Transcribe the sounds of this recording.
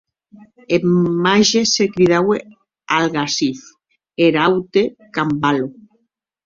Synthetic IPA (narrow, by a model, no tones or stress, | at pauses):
emaʒesekɾiðawe | alɣasif | eɾawt̪ekambalo